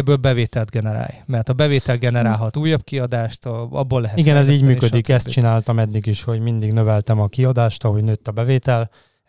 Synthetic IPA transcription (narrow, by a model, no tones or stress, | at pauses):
bːøːlbɛveːt̪ɛld̪ɡɛnɛɾa̰ːjmɛrt̪ɒbɛveːt̪ɛlɡɛnɛɾaːlɦɒt̪uːjːɒb̚kiɒd̪aːʃt̪ɒ̰bːolːɛɦɛt̪iɡɛnɛziːɟmyːkød̪ikɛst̪̚t͡ʃinaːlt̪ɒmɛd̪ːiɡiʃho̞ɟmind̪iɡnøvɛlt̪ɛmɒkiɒd̪aːʃt̪ɒɦo̞ɟnøːt̪ːɒbɛveːt̪ɛl